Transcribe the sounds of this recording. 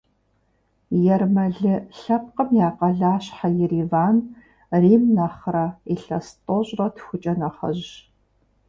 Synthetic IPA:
jɛrmɐɮɨɬɐp̚qəmjaːqɐɮaːɕħajɪriːvaːn | riːmnɐχrɐiɬɐstʼoɕʼrɐtʰxʷʊt͡ʃʼɐnɐχɐ̰ʑ

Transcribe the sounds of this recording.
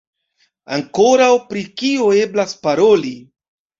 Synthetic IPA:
a̰ŋko̞ɾawpɾikio̞e̞blaspaɾo̞li

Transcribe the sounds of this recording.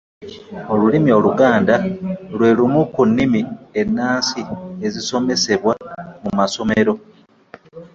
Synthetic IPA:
o̞lulimio̞luɡaːndalwe̞ːlumukunːimie̞nːaːnsieziso̞me̞se̞βwamumaso̞me̞ɾo̞

